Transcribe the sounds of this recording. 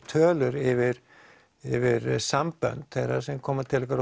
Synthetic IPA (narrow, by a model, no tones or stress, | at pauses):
t̪ʰœːlʏɾɪvɪɾ̥ | ɪvɪɾsampœ̰nt̪θɛrːaɾsɛmkʰɔːmat̪ʰɪlːɛkaɾ